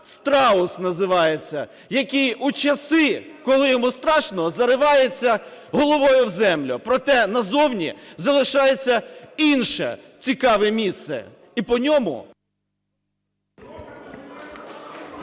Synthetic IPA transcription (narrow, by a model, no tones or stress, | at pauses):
st̪ɾɑʊsnɐzɪʋɑjet͡sʲːɐ̰ | jɐkʲijut͡ʃɐsɪ | kɔlˠɪjɔmust̪ɾɑʃnɔzɐɾɪʋɑjet͡sʲːɐɦɔlˠɔʋɔjʊwzɛmlʲʊpɾɔt̪ɛnɐzɔwnʲizɐlˠɪʃɑjet͡sʲːɐinʃɛ̰ | t͡sʲikɑʋɛmʲist̪sɛ̰ | ipɔnʲɔmʊ̰